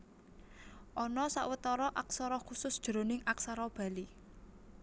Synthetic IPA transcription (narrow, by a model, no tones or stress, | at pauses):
ʔɔnɔsa̰ʔwət̪ɔɾɔʔaksaɾɔkusʊsd̥ʒ̥ə̤ɾo̤nɪŋaksaɾɔb̥ä̤li